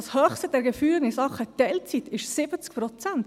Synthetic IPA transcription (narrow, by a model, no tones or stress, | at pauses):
shœːχstəd̥̪ɛɾɡəfyːŋɪsɑχːət̪ɛlt͡sit̪ɪʃsɪb̥ət͡skpɾɔt͡sænt̪